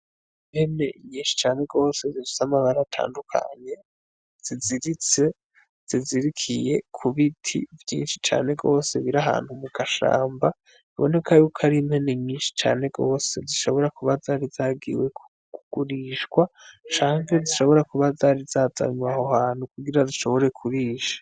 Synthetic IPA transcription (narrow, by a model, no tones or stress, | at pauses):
imhe̞ne̞ʔiɲiːnʃi̥t͡ʃaːne̞ɡo̞ːse̞ziizamaβaɾatʰa̰ːndukʰa̰ɲe̞ | z̥iziɾit͡se̞ | z̥iziɾikʰije̞kʰuβitʰḭvjḭːnʃit͡ʃa̰ːne̞ɡo̞ːse̞βiɾaɦa̰ːnhumuɡ̥aʃa̰ːmba | βo̞̰ne̞kajukʰaɾimhe̞neɲɲiːnʃi̥t͡ʃa̰ːne̞ɡo̞ːse̞ziʃo̞βo̞ɾakuβazaɾizaːɡḭwe̞k | kuɡ̥uɾiːʃkwat͡ʃaːŋɡeziʃo̞βo̞ɾakuβazaɾizaːza̰ɲwahohaːn̥hukuɡiɾaziʃo̞βo̞ɾe̞kʰuɾiːʃḁ